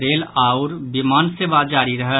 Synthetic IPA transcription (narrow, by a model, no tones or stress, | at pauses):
ɾeːlaːʊɾbimaːnseːʋad͡ʒaːɾiɾəɦə